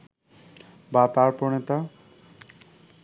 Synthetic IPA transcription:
bat̪aɾponet̪a

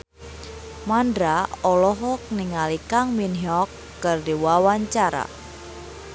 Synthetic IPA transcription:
mandɾaɔlɔɦɔk̚niŋalikaŋminɦɔkːɨrdiwawaɲt͡ʃaɾa̰

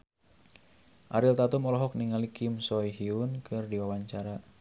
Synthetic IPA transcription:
ʔaɾilt̪at̪umɔlɔɦɔk̚niŋalikimsɔjɦiunkʰɨrdiwawaɲt͡ʃaɾa

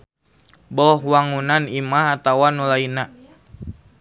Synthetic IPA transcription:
bɔhwaŋunanimaɦat̪awanulaina

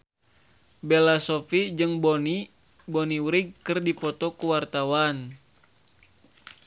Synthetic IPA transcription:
bɛlasofid͡ʒɨŋbɔni | bɔniwɾiɡ̚kɨrdipɔt̪ɔkuwart̪awan

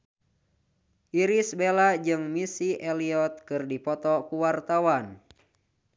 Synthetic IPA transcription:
ʔiɾisbelad͡ʒɨŋmisiʔɛliɔt̪̚kɨrdipɔt̪ɔkuwart̪awan

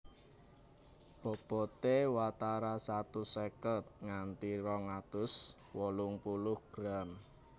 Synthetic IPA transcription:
b̥ɔ̤b̥ɔt̪ewat̪aɾasat̪usɛkət̪̚ŋant̪iɾɔŋat̪ʊs | wɔlʊŋpulʊhɡ̥ɾam

